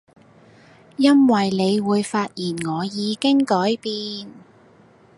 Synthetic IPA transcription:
jɐ˥nwɐ˨jne˨˧jwuː˨˧jfaː˧t̚jiː˨˩nŋɔː˨˧jiː˨˧kɪ˥ŋkɔː˨˥jpiː˧n

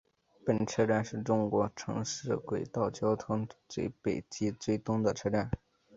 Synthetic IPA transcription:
pə˨˩nʈ͡ʂʰɤ˥ʈ͡ʂa˥˧nʂɻ̩˥˩˧ʈ͡ʂʊ˥ŋkwɔ˧˥ʈ͡ʂʰɤ̰˧˥ŋʂɻ̩˥˩kwe˨˩ɪt̪ɑ˥˩ʊt͡ɕjɑ˥ʊt̪ʰʊ˥ŋt͡swe˥˩ɪpe˨˩ɪt͡ɕi˥t͡swe˥˩ɪt̪ʊ˥ŋd̪ə˨ʈ͡ʂʰɤ˥ʈ͡ʂa˥˩n

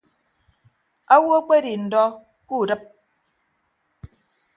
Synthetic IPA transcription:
a˦wo˦k͡pe˦ɾi˨n̩˨dɔ˦ | ku˦˨dɨ˦p̚

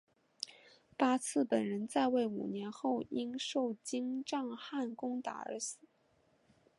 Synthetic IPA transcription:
pa˥t͡sʰɹ̩˥˩pə˨˩nɻə˧˥nt͡sa˥˧ɪwe˥˩ɪṵ˨˩njɛ˧˥nxo˥˩ʊi˥ŋʂo˥˩ʊt͡ɕi˥ŋʈ͡ʂɑ˥˧ŋxa˥˩nkʊ˥ŋt̪a̰˨˩ə̰˞˧˥sɹ̩˨˩˦

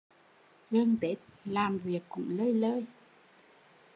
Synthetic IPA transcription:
ɣɨ˧ŋt̪e˨˦˥t̚laː˨˩mvi˨˩əkːʊ̰˧˥ŋ͡mləː˧jləː˧j

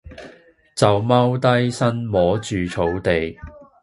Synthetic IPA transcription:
t͡sɐ˨wmɐ˥wt̪ɐ˥jsɐ˥nmɔː˨˥t͡ʃyː˨t͡sʰo˨˥wt̪e˨j

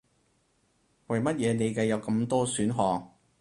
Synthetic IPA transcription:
wɐ˨jmɐ˥t̚jɛː˨˧ne˨˧jkɐ˧jɐ˨˧wkɐ˧mt̪ɔː˥syː˨˥nɦɔː˨ŋ

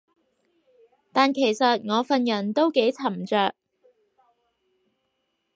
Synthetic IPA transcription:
t̪aː˨nkʰe˨˩jsɐ˨t̚ŋɔː˨˧fɐ˨njɐ˨˩nt̪o˥wke˨˥jt͡sʰɐ˨˩mt͡ʃœː˨˧k̚

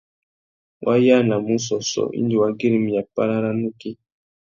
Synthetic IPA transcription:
wʔa˦ja˦na˨mu˦s̬ɔ˨sɔ̰˨ʔḭ˦ndi˨wa˦ɡe˦ɾi˨mi˨ja˨pa˦ɾa˦ɾa˦nu˦ki˦

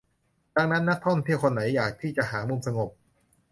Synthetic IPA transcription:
da˧˩ŋna˦˥nːa˦˥k̚t̪ʰo˥˩˨nt̪ʰi˥˩wkʰo˧nːa˩˦jːaː˨˩k̚t̪ʰiː˥˩t͡ɕa˨˩ʔɦaː˩˦mu˧msa˧ŋo˨˩p̚

